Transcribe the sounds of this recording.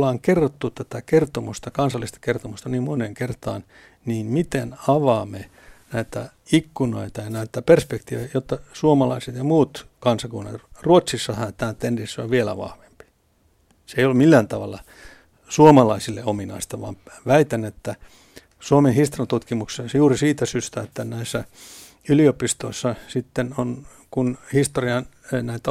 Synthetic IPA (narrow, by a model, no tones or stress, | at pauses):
ɑːŋkerːot̪ːut̪æt̪ækert̪omṵst̪ɑkɑnsɑlːist̪ɑ̥kert̪omust̪ɑniːmmoneŋkert̪ɑːn | niːnmit̪enɑʋɑːme | næit̪æ̰ | ikːuno̰it̪ɑjɑnæit̪ːæperspekt̪iʋejot̪ːɑsuomɑlɑiset̪jɑmuːt̪kɑnsɑkunːɑ̰ruot̪sisːɑhænt̪æːt̪ːendisːo̰ʋʋielæ̰ʋɑ̰hʋempi̥ | seijolmilːæːnt̪ɑʋɑlːɑ | suomɑlɑisilːḛominɑ̰ist̪ɑʋʋɑ̰ːmʋæit̪enet̪ːæ | suomenhist̪oriɑnt̪ut̪kimukssesjuːrisiːt̪æsyst̪æet̪ːænæisːæ | yliopist̪oisːɑsit̪ːenon | kunhist̪oriɑn | næit̪æ